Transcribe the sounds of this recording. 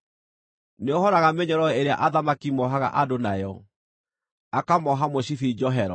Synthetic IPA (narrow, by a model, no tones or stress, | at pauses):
neohɔɾaɣameɲɔɾɔeɾea̰ʔaðamakimɔɦaɣa̰ʔadonajɔ | akamɔɦamoɕiθid͡ʒɔɦɛɾɔ